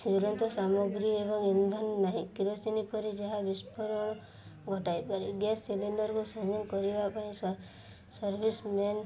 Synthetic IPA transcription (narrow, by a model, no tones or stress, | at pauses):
d͡ʒulɔnt̪ɔsamoɡɾiebɔŋind̪ʱɔnnaɦĩkiɾɔsinipɔɾid͡ʒaɦabispɔɾɔɽ̃ɔ | ɡʱɔʈajpaɾiɡesːilinɖɔɾkusɔŋjɔŋkɔɾibapaĩs | sɔɾbʱismen